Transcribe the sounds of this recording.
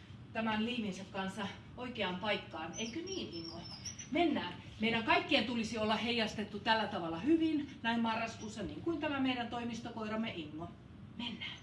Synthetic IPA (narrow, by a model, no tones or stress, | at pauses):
t̪æmænliːminsekkɑnsɑ | oikeɑmpɑikːɑːneikøniːniŋːomenːæːn | meiɾæŋkɑikːient̪ulisiolːɑheijɑst̪et̪ːut̪ælːæt̪ɑʋɑlːˑɑhyʋinnæimmɑrːɑskusːɑniːŋkuint̪æmæmeiɾænt̪oimist̪okoirɑmːeʔiŋːo | menːæː